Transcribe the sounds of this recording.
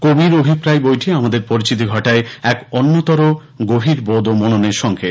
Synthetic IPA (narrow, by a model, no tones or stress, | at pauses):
kobiɾobʱipɾajbojʈʰiamad̪eɾpoɾit͡ɕit̪ʰiɡʱɔʈaeɛkɔnːot̪ɔɾo | ɡobʱiɾbod̪omononeɾʃɔŋkʰe